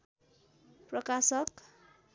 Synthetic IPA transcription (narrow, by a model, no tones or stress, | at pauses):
prʌkasʌk